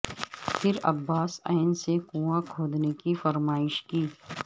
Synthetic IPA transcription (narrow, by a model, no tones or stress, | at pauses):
pʰɪɾɐ̰bːaːsa̰ːɪnsekũːãkʰoːd̪nekifɐɾmaːɪʃkiː